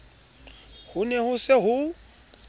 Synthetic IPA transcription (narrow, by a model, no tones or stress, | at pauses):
hʊnehʊseɦʊ